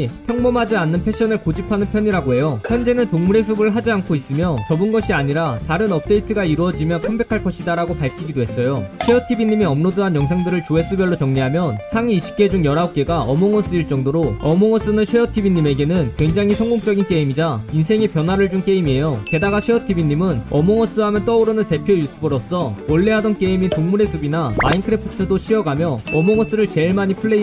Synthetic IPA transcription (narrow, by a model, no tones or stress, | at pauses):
pʰjʌŋmʌmɦad͡ʑianːɯnpʰe̞ɕ͈ʌnɯɭkod͡ʑipʰanɯnpʰjʌɲiɾaɡoɦe̞joçjʌnd͡ʑe̞nɯntoŋmuɾe̞s̬ʰubɯɭɦad͡ʑiankʰois͈ɯmjʌt͡ɕʌbɯnɡʌɕʰiaɲiɾataɾɯnʌp̚t͈e̞itʰɯɡaiɾuʌd͡ʑimjʌnkʰombe̞kʰaɭk͈ʌɕʰidaɾaɡopaɭkʰiɡidoɦe̞s͈ʌjoɕʰwejʌtʰibiɲːimiʌmnoduɦanjʌŋsʰaŋdɯɾɯɭt͡ɕoe̞s͈ɯbjʌɭːot͡ɕʌŋɲiɦamjʌnsʰaŋiːɕʰi̥p̚k͈e̞d͡ʑuŋjʌɾauk̚k͈e̞ɡaʔʌmoŋʌs͈ɯiɭt͡ɕ͈ʌŋdoɾoʌmʌŋʌs͈ɯnɯɕʰwejʌtʰibiɲːime̞ɡe̞nɯnkwe̞ŋd͡ʑaŋisʰʌŋɡoŋt͡ɕ͈ʌɡink͈eimid͡ʑainsʰe̞ŋe̞pjʌnɦwaɾɯɭd͡ʑuŋk͈e̞imie̞jote̞daɡaɕʰweʌtʰibiɲːimɯnʌmʌŋʌs͈ɯɦamjʌnt͈ʌuɾɯnɯnte̞pʰjojutʰubɯɾos͈ʌoɭːeɦadʌnk͈e̞imintoŋmuɾe̞sʰubinama̰inkʰɯɾepʰɯtʰɯdoɕʰiʌɡamjʌʌmoŋʌs͈ɯɾɯɭt͡ɕe̞ɭmaɲipʰɯɭːe̞i